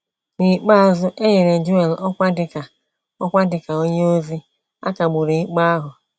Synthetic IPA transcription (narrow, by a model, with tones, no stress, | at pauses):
mi˨k͡pa˦a˨zʊ˦ʔe˦ɲe˨ɾe˨d͡ʒʊ˦e˨lɔ˦kʷa˦dɪ˨ka˨ | ɔ˦kʷa˦dɪ˨ka˨o˦ɲe˦o˦zi˦ | a̰˦ka˨ɡ͡bʊ˨ɾe˨i˦k͡pa˦a˦ɦʊ˨